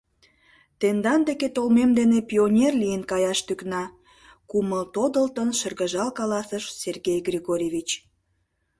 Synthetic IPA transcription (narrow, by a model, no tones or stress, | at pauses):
t̪end̪ɑnd̪eket̪olmemd̪enepionʲerlijənkɑjɑʃt̪yknɑ | kuməlt̪od̪əlt̪ənʃərɣəʒɑlkɑlɑsəʃserɣejɡrʲiɣoɾʲevʲit͡ɕ